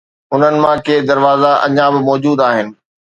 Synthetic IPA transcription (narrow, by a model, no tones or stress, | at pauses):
ɦʊnənɪ̆mãkeːd̪ɐɾʋaːzaʔɐ̰ɲãbɪmɔːd͡ʑuːd̪aːɦɪnɪ̆